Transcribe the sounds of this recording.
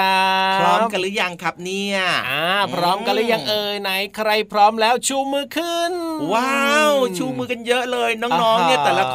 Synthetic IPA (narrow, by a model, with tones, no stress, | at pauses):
apʰrɔː˧mka˧lɨː˧˥jaː˧ŋkʰa˧p̚ni˧əʔaː˧˩pʰrɔː˧mka˧lɨː˧˦jaː˧ŋʔəː˧jna˧jkʰɾə˧jpʰrɔː˧mlɛː˧˥wt͡ɕʰuː˧mɯː˧kʰɯ˧nwaːwt͡ɕʰuː˧mɨː˧kʰɨ˧njəː˦˥ʔləː˧jnɔ˧ŋnɔː˧ŋi˧ət̪ə˨˩la˧k